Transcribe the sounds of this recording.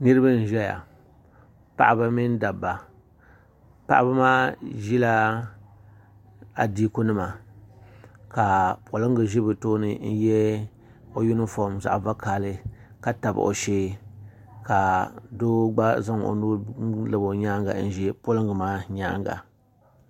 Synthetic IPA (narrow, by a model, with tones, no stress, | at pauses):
nɨ˦ɾɨ˦ba˦n̩˨ʒɛ˦ja̰˨ | pa̰˦ʔa˦ba˦mi˦n˦da˨bːa˨ | pa̰˦ʔa˦ba˦maː˦ʒi˦la˦ | a˨di˦ku˦nɨ˦ma˨ | ka˨po˨lɨ˦ŋɡɨ˨ʒi˦bɨ˨toː˦nɨ˨n̩˦jɛ˦ | o˦ju˦nɨ˦fɔ˦˨mza̰˨ʔva˦kaː˨lɨ˦ka˦ta˨b̰ʔo̰˨ʃe˦ | ka˨do˦ɡ͡ba˦za˦ŋ˨o̰˨nu˦ɾlɨ˨bo˨ɲaː˦ŋɡa̰˨n̩˦ʒɛ˦po˦lɨ˦ŋɡɨ˨maː˦ɲa̰˦ŋɡa̰˨